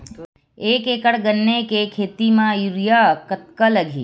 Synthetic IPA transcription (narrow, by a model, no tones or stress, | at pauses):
eːkeːkəɽɡənːekekʰeːt̪imãjuɾjakɐt̪̚kəlɐɡʱḭː